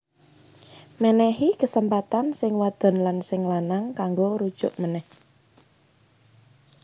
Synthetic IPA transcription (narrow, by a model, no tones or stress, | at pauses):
mənɛhikəsəmpat̪ansɪŋwad̪̥ɔ̤nlansɪŋlanaŋkaŋɡoɾud̥ʒ̥ʊ̤̰ʔmənɛh